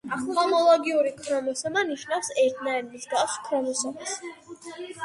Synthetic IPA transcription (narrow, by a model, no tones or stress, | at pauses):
hɔmɔlˠɔɡiuɾikʰɾɔmɔsɛbaniʃnafsɛɾt̪ʰnaɛɾmisɡ̪askʰɾɔmɔsɛbas